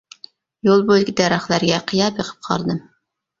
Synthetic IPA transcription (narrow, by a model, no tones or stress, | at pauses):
jolˠbojlɡʲid̪æɾæχlæɾɡʲɛqʰɨjɑpjeqʰɨ̥p̚qʰɑlˠd̪ɨm